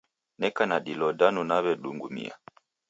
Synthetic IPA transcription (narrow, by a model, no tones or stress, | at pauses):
nɛkanaɗilɔdanunaβɛɗuŋɡumḭa̰